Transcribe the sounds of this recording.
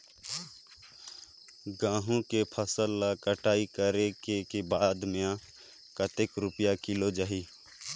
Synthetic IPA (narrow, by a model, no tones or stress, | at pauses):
ɡãːɦũkepʰəsəlːakəʈaːikəɾekekebaːd̪mjã | kət̪ekɾʊpjakɪlod͡ʒaɦiː